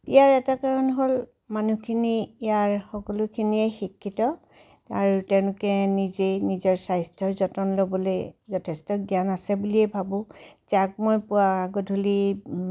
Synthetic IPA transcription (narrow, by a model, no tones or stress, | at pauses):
ijaɹɛtakaɹɔnɦol | manukʰiniijaɹxɔkɔlʊkʰiniɛxikʰːitɔ | aɹutɛʊ̃lʊkɛnizenizɔɹsajstʰɔɹzɔtɔnlobɔlejzɔtʰestɔɡjanasɛbuliɛbʱabʊ̃zak̚mɔjpʊwaaɡɔdʱuli